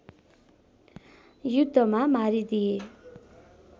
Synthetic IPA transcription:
jud̪ʱːʌmamaɾid̪ie

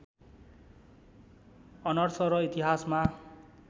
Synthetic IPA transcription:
ʌnʌrsʌɾʌit̪iɦasma

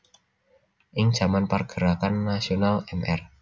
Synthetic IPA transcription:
ʔɪŋd̥ʒ̥a̤manparɡ̥əɾakanːasionalɛmɛ̰r

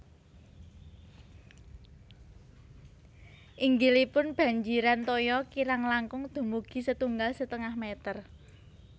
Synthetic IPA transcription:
ʔiŋɡilipʊnb̥ä̤ɲd͡ʒiɾant̪ɔjɔkiɾaŋlaŋkʊŋd̪̥o̤muɡ̥i̤sət̪uŋɡalsət̪əŋahmet̪ər

